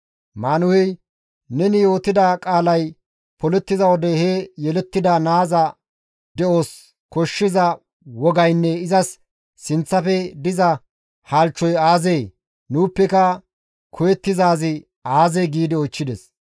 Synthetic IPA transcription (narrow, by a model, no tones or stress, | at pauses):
maːnʊhɛj | nɛnɪjo̞ːt̪ɪd̪akʼaːlɐj | pɔlɛt̪ːɪzɐwɔd̪ɛhɛjɛlɛt̪ːɪd̪anaːzɐ | d̪ɛoːs | kɔʃːɪzɐ | wɔɡɐjnːɛɪzɐsː | ɪnt͡sːɐfɛd̪ɪzɐ | haːlt͡ʃːɔjaːzeː | nuːpːɛkɐ | kʰɔjɛt̪ːɪzaːzɪ | aːzeɡiːd̪ɪɔt͡ʃːɪd̪ɛs